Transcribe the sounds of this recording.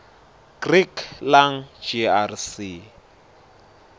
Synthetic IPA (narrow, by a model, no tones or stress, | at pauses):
ɡ̥rikʰlaŋ̩d͡ʒiarsi